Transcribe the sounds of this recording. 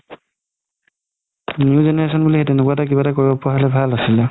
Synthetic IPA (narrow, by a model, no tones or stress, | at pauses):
njuzenɛɹesɔnbulixetenokuatakibatakoɹibɔpɔaɦalɛbʱalasilɛ